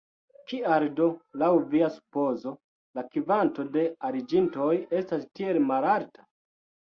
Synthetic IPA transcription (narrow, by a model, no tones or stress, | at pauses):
kiaɾdo̞lawviasu̥po̞zo̞ | lakivanto̞de̞aɾid͡ʒinto̞je̞stastie̞lmalaltḁ